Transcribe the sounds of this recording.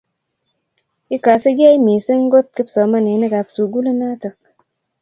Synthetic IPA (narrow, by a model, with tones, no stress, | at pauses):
i˦ka˨si˦ɡa˦i˦mi˨si˦ŋ˦ɡo˦t̪̚ki˦psɔ˨˦ma˦ne˨˦ne˦ɡa˨psu˨ɡu˦le˦na˦tə˨k̚